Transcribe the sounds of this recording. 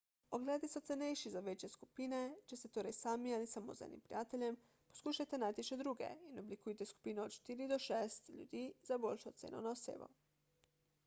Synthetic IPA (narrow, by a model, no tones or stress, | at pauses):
oɡlɛːd̪isot̪sɛnejʃizaʋeːt͡ʃjeskupiːnet͡ʃɛst̪ɛt̪oːɾajsaːmialisamo̰ːzɛ̰nḭmpɾijaːt̪elʲjɛm | po̥skuːʃajt̪ɛnaːjt̪iʃɛd̪ɾuːɡɛ̰inoblikuːjt̪ɛsku̥piːnɛot̪ʃt̪iːɾid̪ɔʃeːst̪ʎʲṵd̪iːzaboːlʲʃot̪sḛːnonaosḛːbo̰